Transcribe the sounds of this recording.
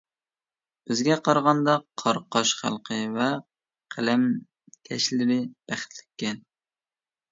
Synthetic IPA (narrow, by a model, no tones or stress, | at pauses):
b̥ɪzɡʲɛqʰɑɾʁɑnd̪ɑqʰɑɾqʰɑʃχæ̰lˠqʰəvɛ | qʰælæm | kʲʰɛʃlɪɾɪb̥æχt̪ʰlɪ̥kʲːɛn